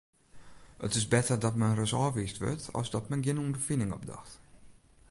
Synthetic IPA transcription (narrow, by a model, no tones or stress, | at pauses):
ə̰tɪsbɛtərdɔtmɛnrəsɔːviːstʋø̰tɔ̰sdɔtmɛnɡjɪnundərfinɪŋɔ̰p̚dɔ̰xt